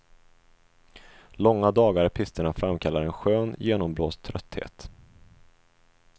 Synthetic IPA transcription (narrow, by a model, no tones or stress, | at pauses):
lɔŋːad̪ɑːɡaɾpʰɪst̪əɳafɾamkʰalːaɾɛnɧøːnjeːnɔmblo̰ːst̪ʰɾœt̪hḛːt̪